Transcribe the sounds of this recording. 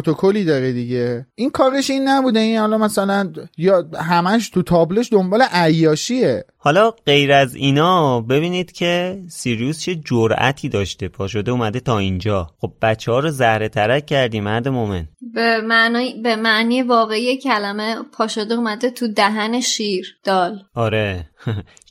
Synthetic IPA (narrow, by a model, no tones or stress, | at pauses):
t̪ʰokʰoliːd̪ɒːɾed̪iɟeinkʰɒːɾeʃinːæbuːd̪einhɒːlɒmæsælænjɒːhæmæʃt̪ʰut̪ʰɒːbleʃd̪o̞mbɒːleʔæjːɒːʃiehɒːlɒːɢe̞jɾæziːnɒːbe̞biːniːd̪̥cʰe̞siɾijust͡ʃʰe̞d͡ʒoɾæ̰t̪ʰiːd̪ɒːʃt̪epʰɒːʃod̪euːmæd̪e̞t̪ʰɒːind͡ʒɒːxo̞b̚bæt͡ʃʰːehɒːɾozæhɾe̞t̪ʰæɾæfcʰæɾd̪iːmæɾd̪emomḛnbemæʔnːjbemæʔniːjevɒːɣeijecʰælæmepʰɒːʃod̪eumæd̪et̪ʰud̪æɦæneʃiːɾd̪̥ɒːlɒɾe̞